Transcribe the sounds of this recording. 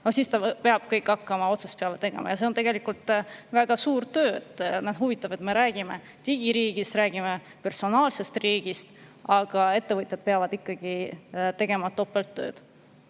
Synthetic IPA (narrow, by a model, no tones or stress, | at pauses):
nosist̪ɑpeɑb̥̚kɤjkːˑɑkːɑmɑo̞t̪sespeɑle̞t̪e̞ɡ̥e̞̰mɑjɑse̞o̞nt̪e̞ɡ̥e̞likult̪ˑvæɡ̥ɑsuːɾt̪ø̞ːḛt̪ːnæd̪̥ɦuvit̪ːˑɑb̥e̞t̪me̞ɾæːɡ̥ime̞ | t̪iɡ̥iɾiːɡ̥ist̪ɾæːɡ̥ime̞ | pe̞rso̞nɑːlse̞st̪riːɡ̥ist̪ɑɡ̥ɑe̞t̪ːe̞vɤt̪ʲˑjɑd̪̥̚peɑvɑd̪ikːɑɡ̥it̪e̞ɡ̥e̞mɑt̪ːo̞pːˑelt̪ːø̰ːd̪̥